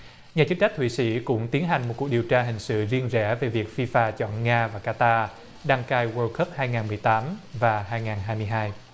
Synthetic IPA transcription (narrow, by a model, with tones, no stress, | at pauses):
ɲaː˨˩t͡ɕɨ˦˥t͡ɕa˦˥k̚t̪ʰwi˧˨sḭ˧˥kʊ̰˧˥ŋ͡mt̪i˨˦nɦa˨˩ŋ̟mo˨˩t̚ku˨˩i˨˩əwt͡ɕaː˧ɦï˨˩ŋ̟sɨ̰˧˨zi˧ənzɛ̰˧˥ve˨˩vi˨˩ək̚fi˧faː˧˨t͡ɕɔ̰˧˨nŋaː˧vaː˨˩kaː˧t̪aː˧ | ɗa˧ŋkaː˧jwəː˧kə˦˥p̚haː˧jŋaː˨˩nmɨ˨˩əjt̪aː˨˦mvaː˨˩ɦaː˧jŋaː˨˩nɦaː˧jmɨ˧əjɦaː˧j